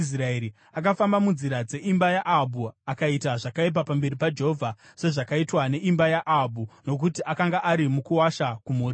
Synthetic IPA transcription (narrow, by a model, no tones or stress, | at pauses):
sraeɾi | akafambamunziɾad͡ze̞ʔimbajaʔabuakaitaʐakaip̬apambe̞ɾipad͡ʒeɦovʱa | se̞ʐakaitwane̞ʔimbajaʔabʱuno̞k̬utiʔakaŋɡaʔaɾimukuwaʃakumuːri